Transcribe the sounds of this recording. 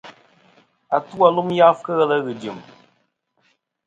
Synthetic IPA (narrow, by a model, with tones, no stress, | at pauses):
a˨tu˦a˨lu˦mja˦fkə˦ɣə˦lə˦ɣɨ˨d͡ʒɨ˨m